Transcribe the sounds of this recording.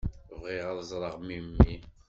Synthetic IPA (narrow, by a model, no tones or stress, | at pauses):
vʁiʁɑðˤzˤɾˤəʁmimːi